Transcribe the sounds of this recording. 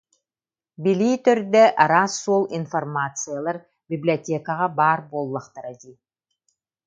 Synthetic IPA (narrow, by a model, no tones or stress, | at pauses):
bilʲiːt̪œɾd̪ɛʔaɾaːsːuɔlˠinfɐrmat̪sɨjalˠaɾ | bʲiblʲiɔt̪ʲeɛkaʁabaːɾbolˠːaqt̪aɾɛd̪i